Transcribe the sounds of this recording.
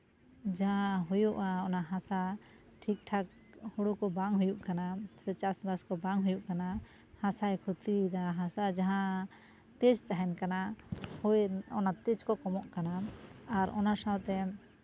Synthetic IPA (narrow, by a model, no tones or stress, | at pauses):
d͡ʒaɦaɦujuʔaɔnaɦãsa | ʈʰik̚ʈʰak̚ | huɽukɔbaŋɦujuʔkanasɛt͡ʃasbaskɔbaŋɦujuʔkana | hãsajkʰut̪id̪aɦasad͡ʒaɦã | t̪ɛd͡ʒt̪aɦɛnkanahujɔ̰nat̪ɛd͡ʒkɔkɔmɔʔkanaːɾʔɔ̰nasawt̪ɛ